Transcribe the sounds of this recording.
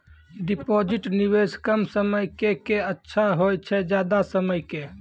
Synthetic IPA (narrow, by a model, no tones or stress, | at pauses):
ɖipod͡ʒiʈniweskəmsəməjkekeətːʃʰaɦojt͡ʃʰɛd͡ʒjad̪asəməjke